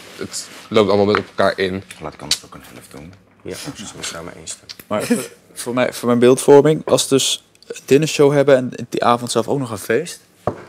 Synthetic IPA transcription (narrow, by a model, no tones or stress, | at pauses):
ətlowp̚tɑlˠmolmɛntɔpmɛlˠka̰ːɹʔɪnlaːtɪ̥kɑ̰nətokənhɛ̰ləfdṵn | ja̰səsaːmə̰ḛjnstɛmaːɹ | voːɹmɛjfʊːɹmɛjnbɪːlˠtfɔɹmɪŋɑ̰lˠsədɵs | dɪnəʃowɦɛbəɛnd̥iʔaːvɔntsɛlˠfoknɔχə̃nvejst